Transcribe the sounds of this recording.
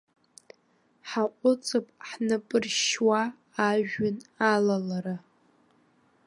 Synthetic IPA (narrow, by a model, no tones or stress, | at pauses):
ħaqʷʼʊt͡sʼɨpʼħnɨpʼɨrʃwaː | ʒᶣɪnalalaɾa